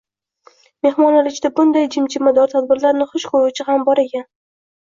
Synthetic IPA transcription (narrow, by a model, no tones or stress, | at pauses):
me̞hmɒnlalɪt͡ʃʰd̪abʊnd̪ajd͡ʒɪmt͡ʃʰɪmad̪ɒɾt̪ʰad̪̚bɪɾlaɾnɪχʊʃkʰoɾut͡ʃʰɪhambɒɾeɡʲan